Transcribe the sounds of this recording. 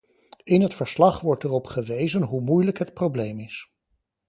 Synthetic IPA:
ɪnɦətfəɹslɑχʋɔɹtərɔpχəʋejzənɦumujləkɦət̚prowblejmɪs

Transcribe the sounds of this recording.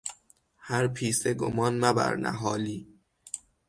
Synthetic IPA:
hæɾpʰiːseɡo̰mɒːnmæbæ̰ɾnæ̰ɦɒːliː

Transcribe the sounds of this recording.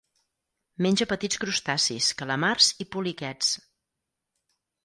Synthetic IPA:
menʲd͡ʒəpət̪it͡skɾust̪asḭskələmarz̥ipulikɛt͡s

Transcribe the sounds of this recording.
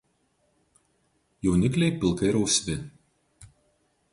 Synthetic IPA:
jɛʊnʲɪklʲɛɪpʲɪlˠkɐɪɾɒʊsʲʋʲɪ

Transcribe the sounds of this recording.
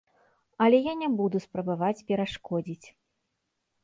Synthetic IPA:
ɐlʲɛjanʲɛbud̪uspɾɐbavat͡sʲpʲɛɾaʂkɔd͡zʲit͡sʲ

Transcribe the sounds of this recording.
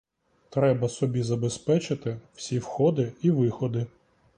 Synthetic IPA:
t̪ɾɛbɐsɔbʲizɐbespɛt͡ʃɪt̪ɪw̥sʲiwxɔd̪ɪiʋɪxɔd̪ɪ

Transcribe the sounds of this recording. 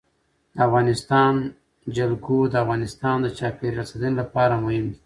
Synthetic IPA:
d̪əafɣɑnɪst̪ɑn | d͡ʒalɡod̪əafɣɑnɪst̪ɑnd̪ət͡ʃɑpeɾɾased̪əlolapɑɾamʊhɪmd̪i̥

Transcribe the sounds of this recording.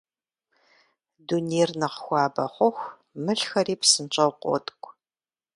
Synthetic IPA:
duneːrnɐqxʷɑːbɐχʷɔxʷ | mɨɬxɐriːpsɨnt͡ʃʼɐwqʷʼo̰tʼkʷʼ

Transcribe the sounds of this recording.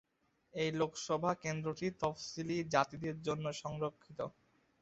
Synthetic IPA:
ejlokʃɔbʱakend̪ɾoʈit̪ɔfsilid͡ʑat̪id̪eɾd͡ʑonːoʃɔŋɾokʰːit̪o

